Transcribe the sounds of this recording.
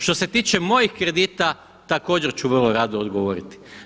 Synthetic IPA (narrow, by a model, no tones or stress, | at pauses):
ʃt̪o̞se̞t̪iːt͡ʃemo̞jixkɾe̞d̪iːt̪a | t̪ako̞ːd͡ʑe̞ɾt͡ɕuʋərlˠoɾad̪oːd̪ɡo̞ʋoɾit̪i̥